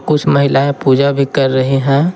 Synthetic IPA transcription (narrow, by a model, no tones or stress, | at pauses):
kʊt͡ʃʰmɐɦɪlaẽpuːd͡ʒabʱikɐɾːɐɦeɦɛ̃ː